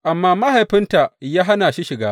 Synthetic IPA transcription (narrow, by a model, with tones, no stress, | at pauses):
ʔa˨mːaː˦ma˦ha˨jɸɪ˦nta˨jaː˦ɦa˦naː˨ʃi˦ʃɪ˨ɡaː˦